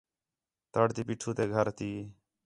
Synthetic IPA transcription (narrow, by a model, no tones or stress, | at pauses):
t̪əɽt̪iːpiːʈʰuːt̪eːɡʱəɾt̪iː